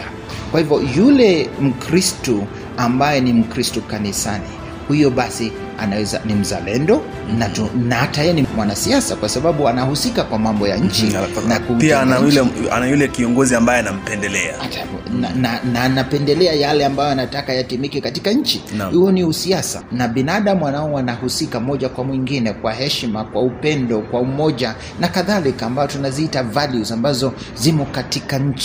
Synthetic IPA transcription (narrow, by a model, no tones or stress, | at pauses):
kwahivɔjulɛm̩kɾistu | ambajɛnim̩kɾistɔkanisani | hujɔɓasi | a̰najɛzanim̩za̰lɛndɔ | natnahataɛnimwanasiasakwasaɓaɓuanahusikakwamambɔja̰ɲ̩t͡ʃinakupianajulɛa̰najulɛkiɔŋɡɔziambajɛanam̩pɛndɛlɛa̰atananananapɛndɛlɛajalɛambajɔanatakajatimikɛkatikaɲ̩t͡ʃihujɔniusiasa̰naɓinaɗamuwanaɔanahusikamɔʄakwamwiŋɡinɛkwaɦɛʃmakwaupɛndɔkwaumɔʄa | nakaðalikaːmbajɔtunaziitavaljuzambazɔ | zimɔkatikaɲ̩t͡ʃi